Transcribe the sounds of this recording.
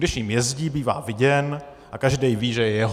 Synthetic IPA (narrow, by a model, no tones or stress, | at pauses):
dɪʃɲiːmjɛzɟiːbiːva̰ːvɪɟɛn | ʔakaʒdɛjviːʒɛjɛjɛɦ